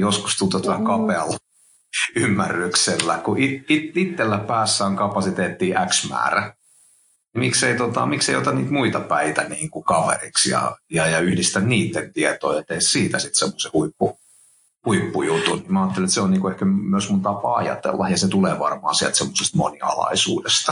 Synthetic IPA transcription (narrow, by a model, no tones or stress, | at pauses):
josku̥st̪unt̪ot̪uæhækɑpeɑlː | ymːærːykselːækuʔiitit̪ːelːæpæːsːæːoŋkɑpɑsit̪eːt̪ːiːʔæksmæ̰ːræ | nimikseit̪ot̪ɑ̰mikseijo̰t̪ɑnnḭːt̪muit̪ɑpæit̪æniːŋkukɑʋḛriksjɑ̰jɑjɑyhdist̪ænniːt̪ːent̪iet̪o̰ːjɑt̪eːssiːt̪æsit̪semːosehuipːu | huipːujut̪unnimæɑːt̪ːeliet̪seonniːŋkuehkæmyøsmunt̪ɑpɑɑ̰jɑ̰t̪ḛlːɑjɑset̪uleːʋɑ̰rmɑ̰ːsiæ̰lt̪semːosest̪mo̰niɑ̰lɑ̰isṵːdest̪ɑ̥